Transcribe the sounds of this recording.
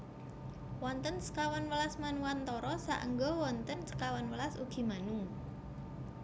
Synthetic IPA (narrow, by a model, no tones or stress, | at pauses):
wɔnt̪ənsə̥kawanwəlasmanuwant̪ɔɾɔsa̰ʔəŋɡɔwɔnt̪ənsə̥kawanwəlasuɡ̥i̤manu